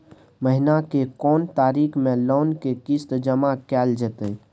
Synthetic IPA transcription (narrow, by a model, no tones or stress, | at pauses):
məɦɪnakekɔːnt̪aːɾiːkʰmẽloːnkekist̪d͡ʒəmakɛːld͡ʒət̪ə